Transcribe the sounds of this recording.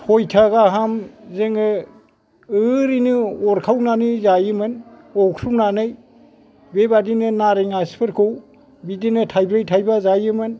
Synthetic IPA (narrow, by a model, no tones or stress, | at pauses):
hɔjtʰaɡaɦamzɯŋɯ | ɯɾinɯɔɾkʰawnanɯzajɯmɯn | ɔksunanɯj | bebadinɯnaɾiŋaspʰɯɾkʰɯw | bidinɯtʰajbɾɯjtʰajbazajɯmɯn